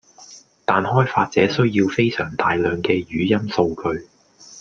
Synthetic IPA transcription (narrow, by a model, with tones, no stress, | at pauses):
t̪aː˨nhɔː˥jfaː˧t̚t͡sɛː˨˥sɵ˥ɥjiː˧wfe˥jsœ̰ː˨˩ŋt̪aː˨˧jlœː˨ŋkɛː˧jyː˨˧˥jɐ˥mso˧wkʰɵ˧ɥ